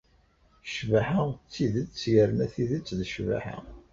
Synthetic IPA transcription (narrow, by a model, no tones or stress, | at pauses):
ʃvaħat͡sːiðət͡sːjəɾənæθiðət͡sːðʃva̰ħa̰